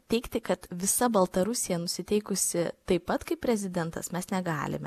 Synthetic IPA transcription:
t̪ʲɛɪkt̪ʲɪkɐt̪ʋʲɪsɐbɐlˠt̪ɐɾʊsʲɪjɛnʊsʲɪt̪ʲɛɪkʊsʲɪt̪ɐɪppɐt̪kɐɪpʲɾʲɛzʲɪd̪ʲɛnt̪ɐ̰smʲɛsnʲɛɡɑ̰ːlʲɪ̰mʲɛ

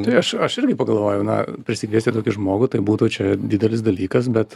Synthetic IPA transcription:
ɐɪɐʃɐʃɪɾʲɡʲɪpɐɡɐlˠʋoːjɛʊnɐ̰pʲɾʲɪsʲɪkʋʲiːsʲt̪ʲɪt̪oːkʲɪʒmoːɡʊt̪ɐɪbuːt̪ʊt͡ʃʲɛd̪ʲiːd̪ʲɛlʲɪsd̪ɐlʲiːkɐsbʲɛt̪

